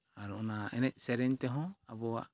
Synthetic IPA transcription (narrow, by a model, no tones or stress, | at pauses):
aɾunaɛnɛc̚sɛɾɛɲt̪ɛɦɔ̃abɔwa̰ʔ